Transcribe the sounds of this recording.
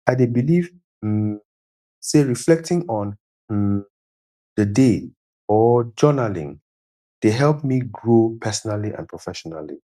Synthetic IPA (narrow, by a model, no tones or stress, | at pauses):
aɪdebiliv̩ | seɹiflɛk̚tɪ̃ŋɔ̃n | dəde | ɔd͡ʒɜnalḭ̃ŋ | d̥eɦɛlˠpmiɡɹopʰɛsɔnaliʔã̰npʰɹɔfɛʃɔna̰lḭ